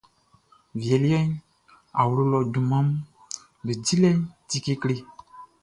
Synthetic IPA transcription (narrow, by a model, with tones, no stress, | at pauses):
vjɛ˨li˦ɛ˦ɲ˦ | a˨wlu˦lɔ˨du˨mã˦m˦ | be˨d͡ʒi˦lɛ˦ɲ˦ti˦ki˦kle˦